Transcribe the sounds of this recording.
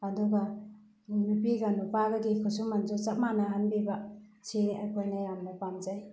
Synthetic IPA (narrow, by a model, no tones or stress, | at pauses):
aduɡa | mipiɡanupaɡaɡikʰɯsumand͡ʒɔzap̚manaɦanbibasiajkʰojnajamnapamd͡ʒaj